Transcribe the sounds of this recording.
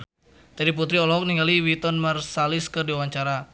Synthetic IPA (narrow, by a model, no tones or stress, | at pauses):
d͡ʒ̪adip̬ut̪ɾiɔlɔɦɔk̚niŋɡaliwit̪ɔnmərsalɪskərdiwaɲt͡ʃaɾa